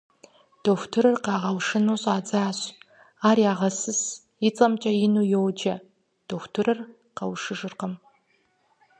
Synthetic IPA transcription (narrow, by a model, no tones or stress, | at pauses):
d̥oxʷtʰɨɾɨrqɑːʁɐwʂɨnuɕʼaːd͡zaːɕʼ | aːɾjaːʁɐsɨs | ɪt͡sʼɐmt͡ʃʼɐjɪnujowd͡ʒɐ | d̥oxʷtʰɨɾɨr | qɐwʂɨʐɨrqəm